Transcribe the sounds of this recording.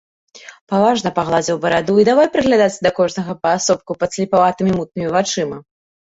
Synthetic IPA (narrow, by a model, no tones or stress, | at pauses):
pavaʐnɐpaɣlˠad͡zʲɛwbɐɾad̪uid̪avajpɾɨɣlʲad̪at̪t͡s̪ʲːd̪ɐkɔʐnɐɣɐpɐːsɔp̚kupɐsʲlʲipavat̪ɨmʲimut̪̚nɨmʲivat͡ʂɨmɐ